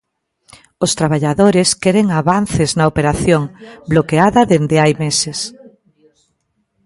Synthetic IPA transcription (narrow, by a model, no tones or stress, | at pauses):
ost̪ɾaβaʎaðoɾeskɛɾeŋaβanθeznɐopeɾaθjoŋblokeaðɐðend̪eajmeses